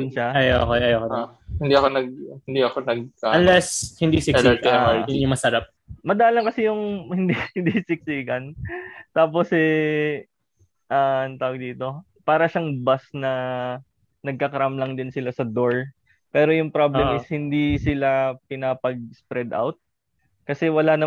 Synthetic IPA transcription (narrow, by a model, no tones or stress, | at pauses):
jʊnʃaɐjo̰kojʔɐjokohɪnd̪iɐkonɐɡ̚hɪnd̪iɐkonɐɡ̚aɐnlɛshɪnd̪isɪkɛt̪ɪɐoʊɲʊmɐsɐɾap̚mɐd̪aalɐŋkɐsɛjʊŋhɪnd̪ihɪnd̪isɪk̚siːkɐnt̪aːposɛ | ʔaʔnt̪aːwɐɡ̚d̪iːt̪o̞ | paːɾɐʃaŋbasnɐ | nɐɡ̚kɐkɐɾamlɐŋd̪ɪnsɪlasɐd̪oɹ | pɛːɾo̞jʊŋpɾablɛmɪshɪnd̪isɪlapɪnapɐɡ̚spɾɛd̪a̰wt̪̚ | kɐsɛwɐlanɐ